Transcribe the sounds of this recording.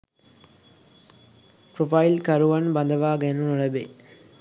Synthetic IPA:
pɾofɐjlkɐɾuʋɐnbɐnd̪ɐʋaːɡenunuɭɐbe

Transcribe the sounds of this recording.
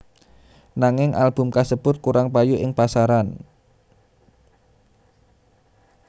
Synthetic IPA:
naŋɪŋʔa̰lb̥ʊ̤mkasəb̥ʊt̪̚kuɾaŋpajuʔɪŋpasaɾan

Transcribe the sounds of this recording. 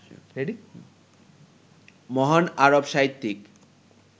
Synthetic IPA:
eɖi | mɔɦanaɾobʃaɦit̪ːik

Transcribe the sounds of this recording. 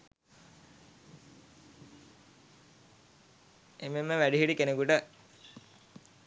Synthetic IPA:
ememːəʋæɖiɦiʈikenekuʈə

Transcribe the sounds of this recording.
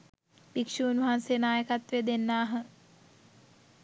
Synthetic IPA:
bikʂunʋɦansejnaːjəkat̪ʋed̪enːaːɦə

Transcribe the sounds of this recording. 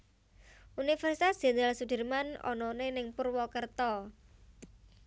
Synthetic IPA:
ʔunifɛrsit̪asd̥ʒ̥e̤nɾalsud̥ərmanɔ̰nɔnenɪŋpʊrwɔkərt̪ɔ

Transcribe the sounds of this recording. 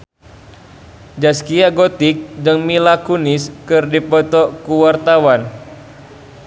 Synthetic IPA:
d͡ʒaskiaɡot̪ɪk̚dəŋmilakunɪskɨrdipɔt̪ɔkuwart̪awan

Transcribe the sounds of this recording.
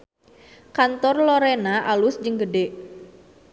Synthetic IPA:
kant̪ɔrlɔɾɛnaʔalʊsd͡ʒəŋɡədeʔ

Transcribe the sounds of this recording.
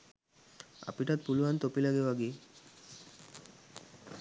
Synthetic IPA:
a̰piʈat̪̚puluant̪opilaɡeʋaɡi

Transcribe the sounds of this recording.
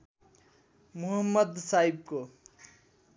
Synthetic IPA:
muɦəmːʌd̪saib̚ko

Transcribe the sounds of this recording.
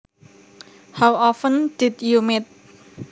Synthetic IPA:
hawɔfə̃nd̥ɪd̪jumit̪̚

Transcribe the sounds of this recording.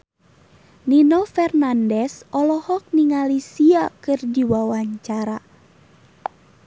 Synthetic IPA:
ninɔfɛrnandɛsɔlɔhɔk̚niŋalisiakɨrdiwawaɲt͡ʃaɾa

